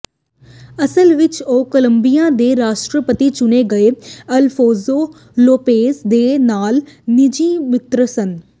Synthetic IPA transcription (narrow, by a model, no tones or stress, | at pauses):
əsəlʋɪt͡ʃoːkələmbijãːd̪eːɾaːʃʈɾəpət̪it͡ʃʊneːɡəeːəlpʰoːzoː | loːpeːsd̪eːnaːlnɪd͡ʒiːmɪt̪ɾəsən